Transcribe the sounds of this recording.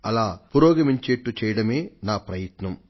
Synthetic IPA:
ɐlaːpuɾɔːɡɐmiɲt͡ʃeːʈːut͡ʃɛːjɐɽɐmeːnaːpɾɐjɐt̪nɐm

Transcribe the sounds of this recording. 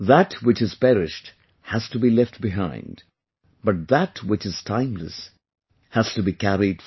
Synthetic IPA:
ðætʰwɨt͡ʃɨz̥pɛɾɪʃt | hæz̥tɨbilɛft̚bɪɦãɪ̃nd | bʌt̚ðætʰwɪt͡ʃɨz̥tʰãɪ̃mlə̰s | hæz̥tɨbikæɹid̥

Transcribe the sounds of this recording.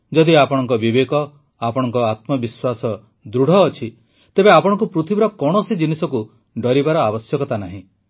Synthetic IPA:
d͡ʒɔd̪iapɔɽ̃ɔŋkɔbibekɔ | apɔɽ̃ɔŋkɔat̪mɔbiswasɔ | d̪ɾuɽ̤ʱɔːt͡ʃʰi | t̪ebeapɔɽ̃ɔ̃ŋk̬upɾut̪ʰibiɾɔkɔɽ̃ɔsid͡ʒinisɔku | ɖɔɾibaɾɔabɔsjɔkɔt̪anaɦĩ

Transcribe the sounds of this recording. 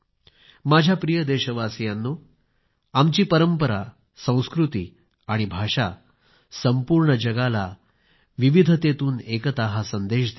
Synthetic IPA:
mad͡ʑʱjapɾijəd̪eɕəʋasjanːuː | amt͡ɕiːpəɾəmpəɾa̰ | sə̃w̃skɾut̪ḭː | aɽ̃ibʱaʂa | səmpuɾɳəd͡ʑəɡala | ʋiʋid̪ʱət̪et̪uːnekət̪aɦasənd̪eɕd̪

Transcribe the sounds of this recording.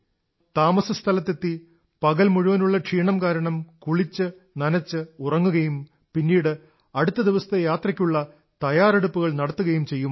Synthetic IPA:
t̪aːmɐsɐst̪ʰɐlɐt̪ːet̪ːi | pɐɣɐlmuɻuʋɐnuɭːɐʈʂiːɳɐmkaːɾɐɳɐmkuɭit͡ɕːɨ | nɐnɐt͡ɕːɨurɐŋːuɣɐjum | pinːiːɽɨ | ɐɽut̪ːɐd̪iʋɐst̪ejaːt̪rɐkʲːuɭːɐ | t̪ɐjaːreɽupːuɣɐɭnɐɽɐt̪ːuɣɐjumt͡ɕe̞jːum

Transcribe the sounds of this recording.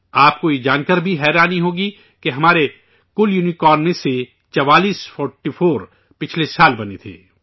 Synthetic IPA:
aːp̚koid͡ʒaːnkəɾbʱiɦɛːɾaːniɦoːɡi | keɦɐmaːɾe | kʊljuːnikɔːɾnmẽse | t͡ʃɐʋaːliːsfɔːɾʈifoːɾ | pɪt͡ʃʰlesaːlbɐnet̪ʰḛː

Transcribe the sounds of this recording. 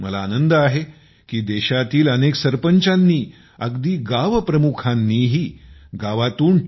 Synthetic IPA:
mə̰laːnənd̪əaɦe | kiːd̪eɕat̪iːləneksəɾpəɲt͡ɕanːiː | əɡd̪iːɡaʋpɾəmukʰanːiːɦiːɡaʋat̪uːn

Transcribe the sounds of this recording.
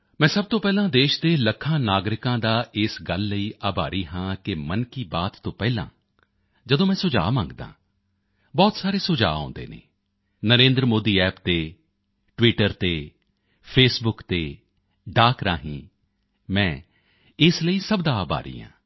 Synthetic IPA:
mɛ̃ːsəb̚t̪õːpɛːlãːd̪eːʃd̪eːləkʰãːnaːɡɾɪkãːd̪aːʔɪsɡəlːəiːʔaːbaːɾiːɦãːkɪmənkiːbaːt̪ːõːpɛːlã̰ː | d͡ʒəd̪õːmɛ̃ːsʊd͡ʒa̰ːmã̰ːŋɡd̪ã̰ː | bɔːt̪saːɾeːsʊd͡ʒa̰ːã̰ːnd̪ḛːnḛː | nəɾẽːnd̪ɾəmoːd̪iːɛːpt̪eː | ʈʋiːʈəɾt̪eː | pʰeːsbʊkt̪eː | ɖaːkɾa̰ːɦĩː | mɛ̃ː | ɪsləiːsəbd̪aːaːba̰ːɾḭːɦã̰ː

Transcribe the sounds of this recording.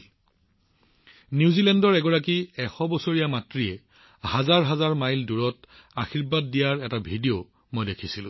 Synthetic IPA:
njuzilɛndɔɹɛɡɔɹak̬iɛxɔbɔsoɹijamatɹiɛ | hazaɹɦazaɹmajlduɹɔt | axiɹbad̚ːijaɹɛtabʱidio | mojdekʰisilʊ̰̃

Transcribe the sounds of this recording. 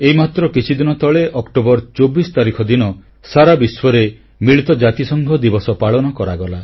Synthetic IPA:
eimat̪ɾɔkit͡ʃʰid̪inɔt̪ɔɭeʔɔkʈobɔɾt͡ʃobisɔ̥t̪aɾikʰɔd̪inɔ | saɾabiswɔɾe | miɭit̪ɔd͡ʒat̪isɔŋɡʱɔd̪ibɔsɔpaɭɔnɔkɔɾaɡɔla

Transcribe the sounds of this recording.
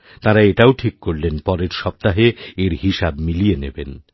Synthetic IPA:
t̪ãɾaeʈaoʈʰikːoɾlenpɔɾeɾʃɔp̚t̪aɦeeɾɦiʃabmilienḛben

